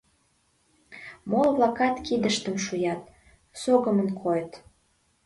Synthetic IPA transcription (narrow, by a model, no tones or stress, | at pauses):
molβlɑkɑt̪kid̪əʃt̪əmʃujɑt̪̚ | soɣəmənkʰojət̪